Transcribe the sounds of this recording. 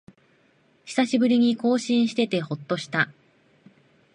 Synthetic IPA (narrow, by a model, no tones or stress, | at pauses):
çi̥saɕibɯ̟ɾʲiɲ̟iko̞ːɕĩɰ̃ɕi̥t̪e̞t̪e̞ho̞t̪ːo̞ɕi̥t̪a